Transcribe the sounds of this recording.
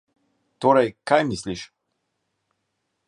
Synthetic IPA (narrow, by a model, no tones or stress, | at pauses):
t̪oɾajkajmisliʃ